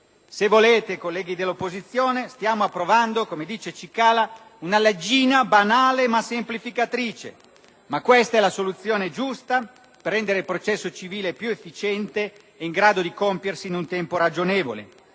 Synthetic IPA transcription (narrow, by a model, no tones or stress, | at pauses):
sevoleːt̪ekolːɛːɡid̪elːopːozit̪sːjoːnest̪jaːmoapːɾovand̪okomed̪iːt͡ʃet͡ʃikaːla | unaled͡ʒiːnabanaːlemasemplifikat̪ɾiːt͡ʃḛ | makːwɛst̪aɛlasolut̪sːjoːned͡ʒust̪a | perːɛnd̪eɾeilpɾot͡ʃɛsːot͡ʃiviːlepjuefːit͡ʃɛnt̪eː | iŋɡɾaːd̪od̪ikompjersinunt̪ɛmpoɾad͡ʒonɛːvo̰lḛ